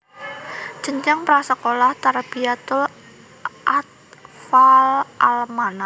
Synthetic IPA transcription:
d͡ʒ̥əɲd͡ʒaŋpɾasəkolaht̪aɾb̥iat̪ʊl | ʔat̪̚falʔalmana

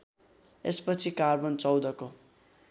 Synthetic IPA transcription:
ḛspʌt͡sʰikarbʌnt͡sʌwd̪ʌko

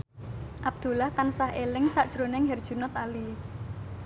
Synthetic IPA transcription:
ʔab̚d̪̥ṳlaht̪ansaɦelɪŋsaʔd̥ʒ̥ɾo̤nɪŋɦɛrd̥ʒ̥ṳnɔt̪ali

